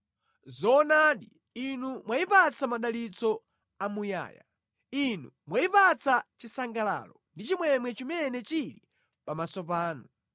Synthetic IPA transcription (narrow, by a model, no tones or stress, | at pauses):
zɔnaːɗi | inumwaipat͡sʰamaɗalit͡sɔ | amuja̰ːja̰ | inumwaipat͡sʰat͡ʃisaŋɡala̰ːlɔndit͡ʃimwɛmwɛt͡ʃimɛnɛt͡ʃili | pamasɔp̬aːnu